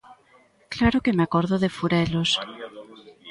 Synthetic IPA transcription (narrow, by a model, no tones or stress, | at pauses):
klaɾokemeakoɾðoðefuɾelos